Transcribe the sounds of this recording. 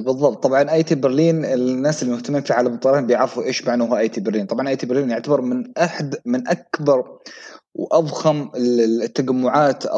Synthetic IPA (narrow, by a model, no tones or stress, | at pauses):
bɨðˤːɑb̚t̪ˤːɑbʕɑnʔajt̪ibɪɾliːnɪlnːaːsɪlːimʊht̪amːmfiʕaːlamt̪ˤːɑlɑnbjɪʕɾɑfuʔeːʃmaʕnaɦaʔajt̪iːbɪɾliːnt̪ˤɑbʕɑnʔajt̪iːbɪɾliːnjɪʕt̪abɑɾˤmɪnʔaħd̪mɪnʔakbɑɾˤ | wʔafhamɪt̪ːad͡ʒamːʊʕaːt̪ʔa̰